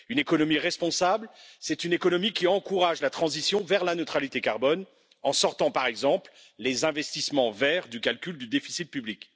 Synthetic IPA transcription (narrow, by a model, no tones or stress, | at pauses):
ynekɔnɔmiʁɛspɔ̃sablsɛt̪ynekɔnɔmikʲiɑ̃kuʁaʒlat̪χɑ̃zisjɔ̃vɛʁlanøt̪χalit̪ekaʁbɔn | ɑ̃sɔʁt̪ɑ̃paʁɛɡzɑ̃pl | lezɛ̃vɛst̪ismɑ̃vɛʁd̪ykalkʲyld̪yd̪efi̥sit̪̚pyblik